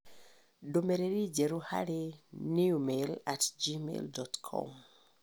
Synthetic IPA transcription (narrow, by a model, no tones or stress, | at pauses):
domeɾeɾid͡ʒeɾuha̰ɾeniumelatd͡ʒimḛldɔtkʰɔ̰m